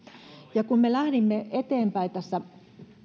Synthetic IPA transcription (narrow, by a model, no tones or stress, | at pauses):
jɑkummelæhɾimːeet̪eːmpæit̪æsːæ